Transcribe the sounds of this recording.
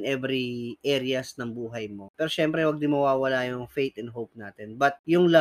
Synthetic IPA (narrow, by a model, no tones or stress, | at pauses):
nʔɛbɾiʔɛɾɪɐsnɐŋbuːɦɐjmo̞pɛːɾoʃɛmpɾɛwɐɡ̚d̪ɪmɐwaːwɐlaːjʊŋfejt̪ɪnɦowp̚naːt̪ɛnbɐt̪̚jʊŋla